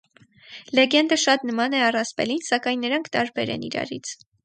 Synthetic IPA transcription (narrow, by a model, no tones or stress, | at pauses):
lɛɡɛnd̪əʃɑt̪nəmɑnɛɑrɑspɛ̰linsɑkɑjnːəɾɑŋkʰt̪ɑɾbɛɾɛ̰nḭɾɑ̰ɾit͡sʰ